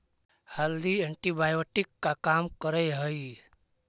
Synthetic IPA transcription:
həld̪iəɳʈibaːjoʈɪkːakaːmkəɾəjɦəi

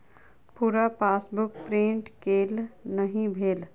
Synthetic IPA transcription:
puːɾapaːsbʊk̚pɾĩɳʈkeːlnəɦĩbʱeːl

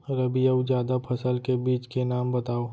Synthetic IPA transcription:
ɾɐbijəd͡ʒjaːd̪apʰɐsəlkebiːt͡ʃkenaːmbɐt̪aːoː

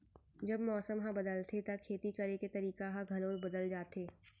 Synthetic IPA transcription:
d͡ʒɐbmɔːsəmɦãbɐd̪əlt̪ʰet̪akʰeːt̪ikɐɾeket̪ɐɾiːkaɦãɡʱɐloːzbɐd̪əld͡ʒaːt̪eː

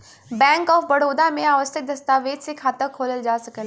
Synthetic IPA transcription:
bɛ̃ːŋkɔːfbɐɽoːd̪amẽaːʋəst̪ək̚d̪ɐst̪aːʋeːd̪sekʰaːt̪əɾkʰoːləld͡ʒaːsɐkəl

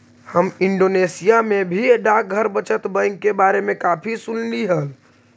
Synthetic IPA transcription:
həmɪɳɖoːnesijamẽbʱiɖak̚ɡʱəɾbət͡ʃət̪bə̃ŋɡkːebaːɾemẽkaːpʰisʊnliɦəl

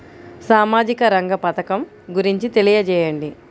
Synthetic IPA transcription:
saːmaːd͡ʒikɐɾɐŋɡɐpɐt̪ɐkɐm | ɡuɾiɲt͡ʃit̪e̞lijɐt͡ʃɛːjɐɳɖi

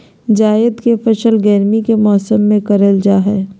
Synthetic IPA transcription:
d͡ʒaːɪd̪kefɐʃəlɡɛːɾmikemɔːsəmːẽkɐɾəld͡ʒaːɦɛː

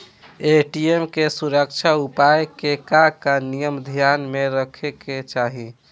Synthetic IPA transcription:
eʈiemkesuɾək̚t͡ʃʰaupajkekakanijəmd̪ʱjanmeɾəkʰeket͡ʃaɦi

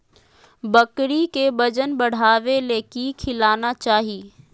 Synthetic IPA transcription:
bɐkɽikebɐd͡ʒənbɐɽ̤aːʋeleːkikʰɪlaːnat͡ʃaːɦiː

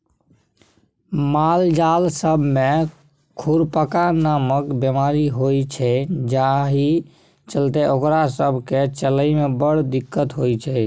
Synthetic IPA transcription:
mald͡ʒalsəbʱme | kʰuɾpəkanaməkbemaɾiɦojt͡ʃʰɛd͡ʒaɦi | t͡ʃəlt̪eʔokɾasəbʱket͡ʃələimebəɽ̤d̪ikːət̪ɦojt͡ʃʰɛ

